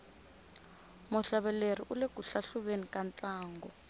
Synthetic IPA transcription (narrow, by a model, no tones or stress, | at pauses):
muɬaβɛlerḭʔulekuɬaɬuɓenikʼant͡ɬʼaːŋɡɔ